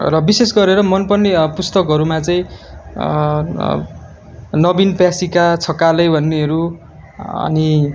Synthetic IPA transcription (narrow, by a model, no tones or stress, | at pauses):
rʌbisesɡʌɾeɾʌmʌnpʌnːipust̪ʌkɦʌɾumat͡sʌḭ̃ | nʌbinpjasikat͡sʰʌkalʌjbʱʌnːeʌɾu | ʌ̰ni